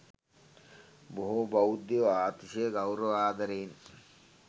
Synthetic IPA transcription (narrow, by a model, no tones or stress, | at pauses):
boɦubɐwd̪ioaːt̪iʃeɡawɾoaːd̪ʱɐɾiːn